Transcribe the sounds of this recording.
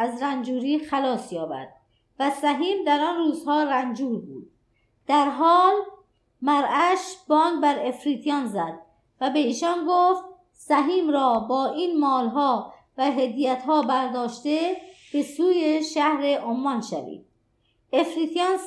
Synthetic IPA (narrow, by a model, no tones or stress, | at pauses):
æzɾænd͡ʒuːɾiːxælɒːsjɒːbæ̰ɾd̪̥̚ | væsæɦiːmd̪æɾɒnruːz̥hɒːɾænd͡ʒuːɾbṵːd̪̥̚ | d̪̥æɾɦɒːl | mæɾʔæʃbɒːnbæɾe̞fɾiːt̪ʰijɒnzæd̪̚ | væbe̞iːʃɒnɡoft̪ | sæɦiːmɾɒːbɒːʔiːnmɒːlɦɒː | væɦed̪ijæt̪ɦɒːbæɾd̪ɒːʃt̪e̞b̥e̞suːjeʃæhɾe̞ʔomːɒnʃæ̰vḭːd̪̥̚ | efɾiːt̪ʰijɑn